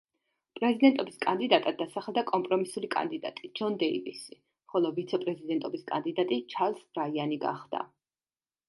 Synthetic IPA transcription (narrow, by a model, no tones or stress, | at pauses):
pʼɾɛzid̪ɛnt̪ʼɔbiskʼand̪id̪at̪ʼad̪ːasaχɛlˠd̪akʼɔmpʼɾɔmisulikʼa̰nd̪id̪a̰t̪ʼid͡ʒɔnd̪ɛḭvḭsi | χɔlˠɔvit̪sʰɛpʼɾɛzid̪ɛnt̪ʼɔbiskʼa̰nd̪id̪at̪ʼit͡ʃʰaɾlsbɾaianiɡa̰χd̪a̰